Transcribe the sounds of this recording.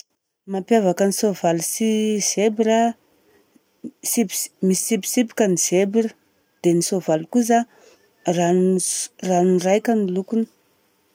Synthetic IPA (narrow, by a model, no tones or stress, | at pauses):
mapjavakənisovalusiz̥ebiɾə | sipmisi̥sipi̥sipi̥kʲəniz̥ebirə | d̪̥enisovalkuz̬a | ra | rannrajkʲanilukuni̥